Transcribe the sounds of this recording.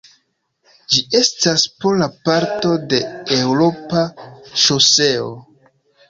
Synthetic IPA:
d͡ʒiʔe̞staspolapaɾto̞de̞e̞wɾo̞paʃose̞o̰

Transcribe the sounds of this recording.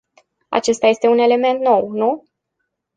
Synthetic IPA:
a̰t͡ʃe̞st̪aje̞st̪eune̞le̞me̞nt̪no̞wnu

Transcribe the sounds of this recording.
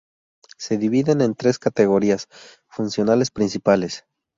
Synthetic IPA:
se̞ðiβiðe̞ne̞nt̪ɾe̞skat̪e̞ɣ̞o̞ɾias | funsjo̞nale̞spɾinsipale̞s

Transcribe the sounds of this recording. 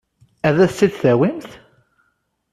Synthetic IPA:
æðæθsiðθæwimθ

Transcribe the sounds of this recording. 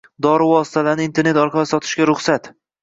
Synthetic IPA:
d̪ɒɾɪvɒsɪ̥t̪ʰalaɾnɪint̪ʰe̞ɾne̞t̪ɒɾqʰɑlasɒt̪ʰɪ̥ʃɡʲaɾʊχsat̪

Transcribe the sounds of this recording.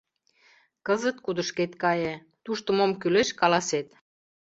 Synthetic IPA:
kəzət̪̚kud̪əʃket̪kɑje | t̪uʃt̪ə̆momkyleʃkɑlɑset̪

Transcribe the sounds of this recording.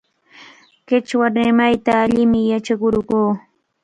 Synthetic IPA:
kɪt͡ʃwaɾɪmajt̪aːʎɪmɪjat͡ʃakʊɾɢuː

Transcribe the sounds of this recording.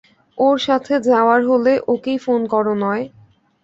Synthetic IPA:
oɾʃat̪ʰed͡ʑaoaɾɦoleʔokejfonkɔɾonɔe

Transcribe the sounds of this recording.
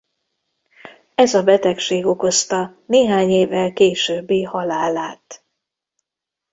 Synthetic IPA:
ɛzɒbɛt̪ɛkʃeːɡo̞ko̞st̪ɒneːɦaːɲeːvːɛlkeːʃøːbːeːhɒlaːlaːt̪

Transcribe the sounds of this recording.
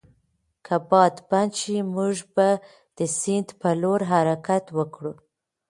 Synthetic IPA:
kʰabɑd̪banʃimuʒba | d̪̥əsɪnd̪pəloɾɦaɾakat̪wəkɽu

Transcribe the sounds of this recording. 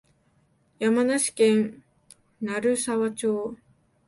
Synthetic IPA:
jamanaɕi̥kẽn | naɾɯ̟saβat͡ɕo̞ː

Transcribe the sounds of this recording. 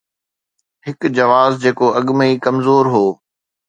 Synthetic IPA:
ɦɪkd͡ʑɐʋaːzd͡ʑeːkoʔɐɠməiːkɐmzoːɾɦoː

